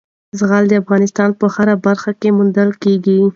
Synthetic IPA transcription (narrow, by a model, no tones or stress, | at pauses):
zɣald̪əafɣɑnɪst̪ɑnpəhaɾabaɾxakemʊnd̪əlkeɡi